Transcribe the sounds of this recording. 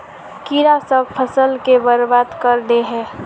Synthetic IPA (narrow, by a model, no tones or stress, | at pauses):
kiɾasəbpʰəsəlkebəɾbaːd̪kəɾd̪eɦɛ̃ː